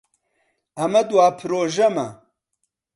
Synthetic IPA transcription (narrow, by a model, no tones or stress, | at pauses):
ɐmɐd̪uwaːpʰɾoːʒɐmɐ̰